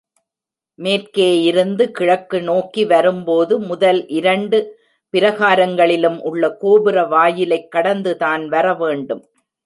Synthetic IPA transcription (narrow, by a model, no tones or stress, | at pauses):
meːrkeːjɪɾɯnd̪ɯkɪɻɐkːɯnoːkiʋɐɾɯmpoːðɯmʊðɐlʔɪɾɐɳɖɯ | pɪɾɐɣaːɾɐŋɡɐɭɪlɯmʔʊɭːɐkoːbɪɾɐʋaːjɪlɐɪkːɐɽɐnd̪ɯtaːnʋɐɾɐʋeːɳɖɯm